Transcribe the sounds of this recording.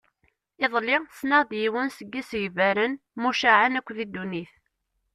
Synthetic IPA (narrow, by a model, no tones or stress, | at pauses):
ɪðˤlɪsnəʁðjiwənsəɡːisʝvæɾən | muʃaʕanækʷːðid̪ːuniθ